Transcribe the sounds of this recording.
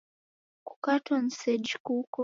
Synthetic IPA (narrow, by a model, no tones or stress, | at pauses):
ku̥katɔn̩sɛd͡ʒkukɔ